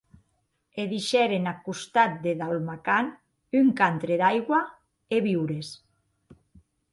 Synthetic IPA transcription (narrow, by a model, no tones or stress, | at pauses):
eðiʃɛɾenakust̪at̪̚d̪eðalmakan | yŋkant̪ɾeðajɣwa | eβiwɾes